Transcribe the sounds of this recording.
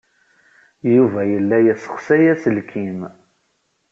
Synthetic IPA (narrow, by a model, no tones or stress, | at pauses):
juvæjəlːæjæsə̥χsæjæsəlkʰim